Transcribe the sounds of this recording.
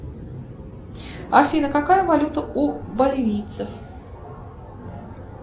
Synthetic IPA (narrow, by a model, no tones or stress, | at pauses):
ɐfʲinəkakajəvalʲut̪əʔubɐlʲɪvʲijt̪səf